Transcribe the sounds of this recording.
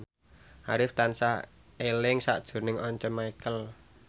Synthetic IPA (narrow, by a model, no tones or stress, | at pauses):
haɾɪft̪ansa | elɪŋsa̰ʔd̥ʒ̥ṳrnɪŋɔɲt͡ʃəmaikəl